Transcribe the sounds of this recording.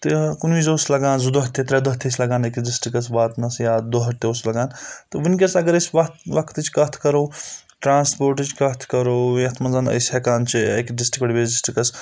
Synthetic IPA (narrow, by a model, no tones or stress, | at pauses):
t̪ɨkunʋizoːslɐɡaːnzud̪oɦɐt̪ʰːet̪ɾɛd̪oɦɐt̪ʰːesʲlɐɡaːnekɖisʈɾikɐsbaːt̪nɐsjaːd̪oɦɐt̪ʰʲːeoːslɐɡaːnt̪ɨʋunkʲɐsɐɡɐɾɐsʲʋɐt̪ʋɐkʰt̪ɨt͡ʃkɐt̪ʰkɐɾoː | ʈɾaːnspoːɾʈɨt͡ʃkɐkʰt̪ʰkɐɾoːt̪ʰmɐnzaːnɐ̰sʲɦekaːnt͡ʃʰiekɖɪsʈikɐɽʲibʲezɖisʈɾikɐs